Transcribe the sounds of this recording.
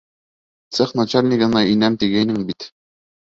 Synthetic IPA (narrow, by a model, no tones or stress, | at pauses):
t̪sɤχnat͡ɕalʲnʲiɡɤ̆nɑinæmt̪iɡæjnɘŋbit̪